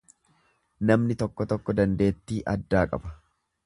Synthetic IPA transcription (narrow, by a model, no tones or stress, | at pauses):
nɐmnɪt̪ɔkːɔt̪ɔkːɔd̪ɐnd̪e̞ːt̪ːiːʔɐd̪ːaːkʼɐ̰bɐ̥